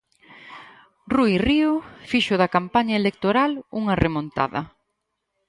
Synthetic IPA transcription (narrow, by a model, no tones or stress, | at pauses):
rujriofiʃʊðɐkampaɲɐelek̚t̪oɾaluŋɐremõnt̪a̰ðɐ